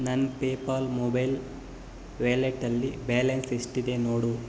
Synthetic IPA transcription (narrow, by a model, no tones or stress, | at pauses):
nɐnpeːpaːlmobɐjl | ʋeːleʈːɐlːibeːlɐnsiʂʈid̪e̞noːɽu